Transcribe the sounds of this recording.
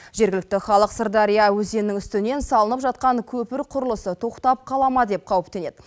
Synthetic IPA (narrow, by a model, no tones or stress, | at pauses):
ʒe̞ɾɡʲɪlɪk̚t̪ɪχɑlˠəqsəɾd̪ɑɾijɑwɵze̞nɪŋʏst̪ɪne̞nsɑlˠənəpʒɑt̪̚qɑŋkʲʰɵpɪɾqʰʊɾəlˠəsət̪ʰo̞qt̪ɑp̚qʰɑlˠɑmɑd̪e̞p̚qʰɑwəp̚t̪e̞ne̞d̪ɪ